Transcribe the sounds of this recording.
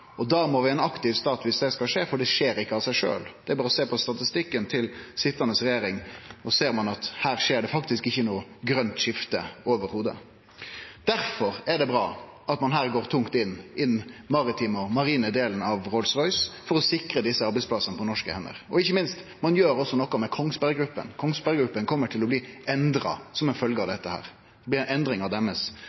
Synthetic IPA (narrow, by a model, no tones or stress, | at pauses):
ɔd̪ɑmɔʋɪɛnɑkt̪ɪʋst̪ɑːt̪ʋɪsd̪ɛskɑlʂeːfɔɖɛʂeːɾɪkːəɑʋsæɪʂø̰ːld̪̥ɛæɾbɑːɾəɔseːpɔst̪ɑt̪ɪst̪ɪkːənt̪ʰɪlsɪt̪ːənəsɾɛjeːɾɪŋɔseːɾmɑnɑt̪hæːʁʂeːɖɛfɑkt̪ɪskɪçːənuːɡɾœnt̪ʂɪft̪əoːʋəɾhuːd̪ə̰ | d̪̥æɾfɔɾæɖ̪ɛbɾɑ̰ː | ʔɑt̪mɑnɦæːʁɡoːʁt̪ʰʊŋkt̪ɪnɪnmɑɾɪt̪ʰiːmɔmɑɾiːnəd̪eːlənəɑʋʁɔlsʁɔʏsfɔɾɔsɪkɾəd̪ɪsːəɑɾbɛɪspʰlɑsənəpʰɔnɔʂkəhɛnːə̰ɾɔɪçːəmɪnst̪ | mɑnjøːɾɔsːɔnɔkːɔmɛkʰɔŋspæɾɡɾʉpːə̰nkʰɔŋspæɾɡɾʉpːənkʰɔmːəʈʰɪlɔbliːɛnd̪ɾɑ̰sɔmɛnfœlɡəɑʋd̪ɛt̪ːəhæ̰ːɾ | ɛbliːnɛnd̪ɾɪŋɑʋd̪ɛmːəs